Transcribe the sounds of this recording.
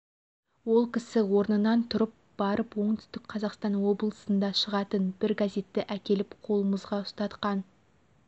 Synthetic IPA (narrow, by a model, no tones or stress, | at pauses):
wo̞lˠkʲʰɪsɪwo̞ɾnənɑnt̪ʰʊɾəp̚b̥ɑɾəpwo̞ɴd̪ʏ̥st̪ɪkqʰɑzɑqst̪ɑnwo̞blˠəsənd̪ɑʃəʁɑt̪ənbɪɾɡaze̞t̪ːɪʔækʲe̞lɪpqʰo̞lˠəməzʁɑʊst̪ɑt̪qɑn